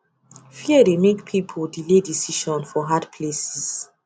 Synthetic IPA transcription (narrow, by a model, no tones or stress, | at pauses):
fiədemekpʰipʰoldiledisiʃɔ̃nfɔɦadpʰlesis